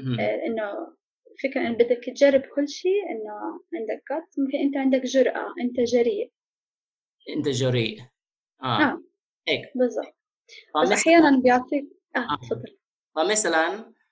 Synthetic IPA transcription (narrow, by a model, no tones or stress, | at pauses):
lʔɪnːʊ | fɪkɾaʔɪnːbɪd̪ːakt̪ʒarˤːɪbkʊlːʃiːʔɪnːʊʕɪnd̪ak̚ɡɑt̪ːmɪmkɪnʔɪnt̪aʕɪnd̪akʒʊɾˤʔa̰ʔɪnt̪aʒaɾiːʔ | ʔɪnt̪aʒaɾḭːʔ | ʔaʔaː | eːkbɨzˤːɑ̰b̚t̪̚ˤ | ɑsʔʔaħajaːnanbjaʕfˤiːk̚ | ʔaːfɑd̪ˤːɨl | fɑmasalan